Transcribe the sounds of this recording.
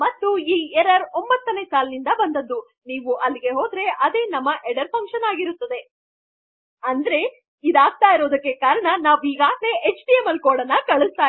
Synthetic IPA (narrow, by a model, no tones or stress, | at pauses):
mɐt̪ːuiːɛɾɐɾombɐt̪ːɐne̞saːlɐnind̪ɐbɐnd̪ɐd̪ːu | niːʋuʔɐlːiɡe̞ɦoːd̪ɾe̞ʔɐd̪e̞ːnɐmːɐʔeɽɐɾpʰɐŋkʃɐnaːɡiɾut̪ːɐd̪e̞ | ɐnd̪ɐɾe̞ | id̪aːɡ̚t̪aːjiɾo̞ːd̪ɐkːe̞kaːɾɐɳɐnaːʋiːɡaːɡneet͡ʃʈiemɐlkoːɽɐnːɐkɐɭust̪aː